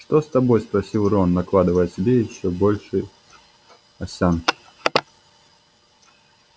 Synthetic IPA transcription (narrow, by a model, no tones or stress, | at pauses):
ʂt̪ɔst̪abɔjspɾɐsʲilˠɾɔnːɐklˠad̪ɨvɐjɛsʲabʲeiɕːɔbɔlʲʂɨj | ɐsʲan